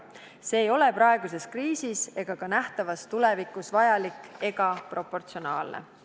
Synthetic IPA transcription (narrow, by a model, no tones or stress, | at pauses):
se̞ːjo̞le̞prɑeɡuse̞skriːsise̞ɡ̥ɑkɑnæht̪ɑvɑst̪ulevikːˑusvɑjɑlikːˑe̞ɡ̥ɑpro̞po̞rt̪sio̞nɑ̰ːlnḛ